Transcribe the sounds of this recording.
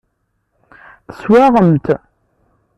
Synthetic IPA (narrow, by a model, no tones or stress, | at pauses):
θə̥swaʁəmt̪